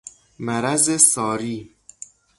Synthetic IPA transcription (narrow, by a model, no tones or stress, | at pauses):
mæɾæzesɒːɾiː